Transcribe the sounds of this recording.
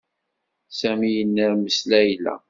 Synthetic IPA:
sæmijənːəɾməslæjlæ̰

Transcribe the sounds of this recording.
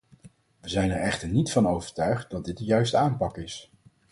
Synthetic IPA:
ʋəzɛjnɛɹɛχtəɹnitfɑnowvəɹtœɥχt̚dɑdɪt̚dəjœɥstəaːmpɑkɪs

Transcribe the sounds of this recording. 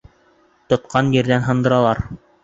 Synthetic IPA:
t̪ŏt̪̚qɑnjɘ̆ɾðænɦɤ̆nd̪ɤ̆ɾɑlˠɑɾ

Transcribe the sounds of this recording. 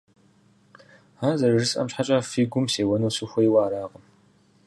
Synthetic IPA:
aːzɐrɨrɨsʼʔɐ̰mɕħat͡ʃʼɐfiɡʷʊmseːwɐnowsɨxʷɐjwaːɾaːʁəm

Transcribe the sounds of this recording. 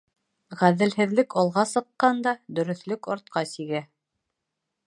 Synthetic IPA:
ʁæðɘ̆lhɘ̆ðlɘkɒlˠʁɑsɤ̆qːɑnd̪ɑd̪ɵ̆ɾɵ̆θlɵkɑɾt̪̚qɑsiɡæ

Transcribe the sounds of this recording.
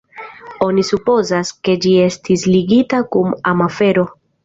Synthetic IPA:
o̞nisupo̞zaske̞d͡ʒie̞stisliɡitakumamafe̞ɾo̞

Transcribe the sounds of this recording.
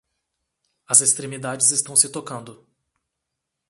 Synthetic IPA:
ɐzest̪ɾemid̪ad͡ʒɪzɪst̪ɐ̃w̃sɪt̪okɐ̃nd̪ʊ

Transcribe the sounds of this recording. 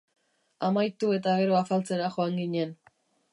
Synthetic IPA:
amajt̪ue̞t̪aɣe̞ɾo̞afalt͡se̞ɾaxo̞aŋɡiɲe̞n

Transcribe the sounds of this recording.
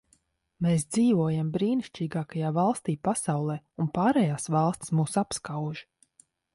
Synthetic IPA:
meːs̬d̪ziːvuɔjambɾiːniʃt͡ʃiːɡaːkajaːvalˠst̪iːpasawlˠɛːunpaːɾɛjaːsvɑlˠst̪ʲsmuːsapskawʒi

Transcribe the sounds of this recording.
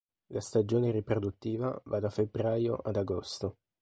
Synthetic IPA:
last̪ad͡ʒoːneɾipɾod̪ut̪ːiːva̰vad̪afebɾajo̰ʔad̪aɡost̪o

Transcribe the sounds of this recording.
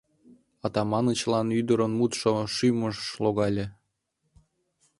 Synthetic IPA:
ɑt̪ɑmɑnət͡ɕlɑnyd̪əɾənmut̪ʃoʃyməʃloɣɑlʲe

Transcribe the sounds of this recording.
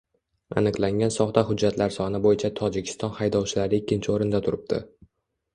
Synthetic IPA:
a̰nɨqlˠaŋɡʲansɒχt̪ahʊd͡ʒːat̪laɾsɒnɪbojɪt͡ʃʰat̪ʰɒd͡ʒɪkʲʰɪ̥st̪ɒnhajd̪ɒwt͡ʃʰɪlaɾɪɪkʲːɪnt͡ʃʰɪoɾɪnd̪at̪ʰʊɾɪb̚d̪̥ɪ̰

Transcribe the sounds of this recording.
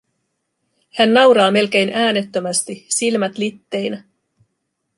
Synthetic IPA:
hænːɑwɾɑːme̞lk̟e̞jnæːne̞t̪ːømæst̪isilmæt̪lit̪ːe̞jnæ

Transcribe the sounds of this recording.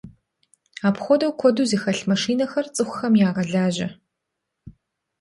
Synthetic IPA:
aːpxʷɔdɐwkʷʰɔduːziːxɐɬmɐʂiːnɐxɐrt͡sʼɨxʷʊxɐmjaːʁɐɮaːʑɐ

